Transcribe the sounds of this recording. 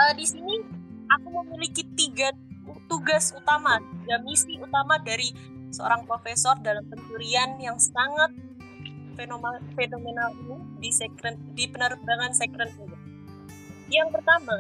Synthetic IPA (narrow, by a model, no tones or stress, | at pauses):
ʔədisiniʔakuməmilikit̪iɡa | t̪uɡasut̪amat̪iɡamisiut̪amadaɾi | səo̰ɾaŋpɾofesɔrdalampənd͡ʒuɾianjaŋsəaŋat̪̚ | fenomafenomenalinudisekɾənt̪̚dipənərbaŋansekɾənt̪it̪u | jaŋpərt̪ama